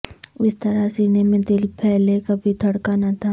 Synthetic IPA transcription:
ɪst̪ɐɾasiːnemẽd̪ɪlpʰɛɦlekɐbʱit̪ʰɐɽkanat̪ʰa

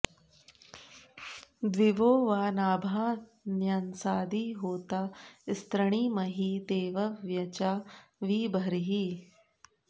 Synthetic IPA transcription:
d̪ʋiʋoːʋaːnaːbʱaː | njɐnsaːd̪ʱiːɦoːt̪aist̪ɾɐɳiːmɐɦiːt̪eːʋɐʋjɐt͡ʃaːʋiːbʱɐɾɦi

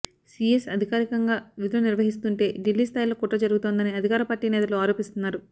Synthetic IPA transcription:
siːesɐd̪ʱikaːɾikɐŋɡaːʋid̪lɐniɾʋɐɦist̪uɳʈe̞ːɖilːiːst̪ʰaːjlo̞ːkuʈːɐd͡ʒɐɾuɡut̪oːnd̪ɐniɐd̪ʱikaːɾɐpaːɾʈiːnɛːt̪ɐluaːɾo̞ːpist̪unːaːɾu

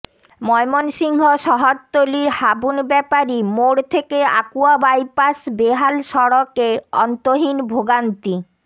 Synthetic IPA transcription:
mɔemonʃiŋɦoʃɔɦoɾt̪oliɾhabunbɛpaɾimoɽt̪ʰekea̰kuabajpasbeɦalʃɔɽokeɔ̰nt̪oɦinbʱoɡant̪i

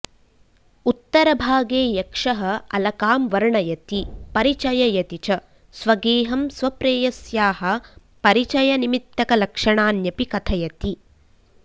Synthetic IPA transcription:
ut̪ːɐɾɐbʱaːɡeːjɐkʂɐɦɐɐlɐkaːmʋɐɾɳɐjɐt̪ipɐɾit͡ʃɐjɐjɐt̪it͡ʃɐ | sʋɐɡeːɦɐmsʋɐpɾeːjɐsjaːɦɐ̆ | pɐɾit͡ʃɐjɐnimit̪ːɐkɐlɐkʂɐɳaːnjɐpikɐt̪ʰɐjɐt̪i

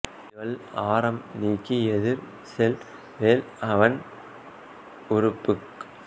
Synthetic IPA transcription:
ɪʋɐɭaːɾɐmniːkːiɛðɪɾ | sɛl | ʋeːl | ɐʋɐn | ʊɾʊpːɯk

